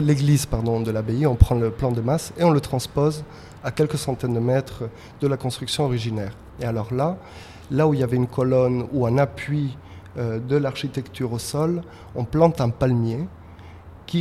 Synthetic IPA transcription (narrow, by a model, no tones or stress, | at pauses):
leɡlizpaʁd̪ɔ̃d̪əlabeiɔ̃pχɑ̃ləplɑ̃d̪əmaseɔ̃lət̪χɑ̃spoz | akʲɛlkəsɑ̃t̪ɛnd̪əmɛt̪χ | d̪əlakɔ̃st̪χyksjɔ̃ɔʁiʒinɛːʁ | ealɔʁla | lauiljavɛynkɔlɔnuɛ̃napɥi | ød̪əlaʁʃit̪ɛkt̪yʁosɔl | ɔ̃plɑ̃t̪ɛ̃palmje | kʲi